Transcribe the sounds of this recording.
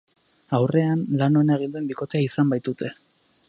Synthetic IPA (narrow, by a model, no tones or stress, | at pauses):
awre̞anlano̞enaeɣ̞ind̪ue̞mbiko̞t̪eaisambajt̪ut̪ʰe̞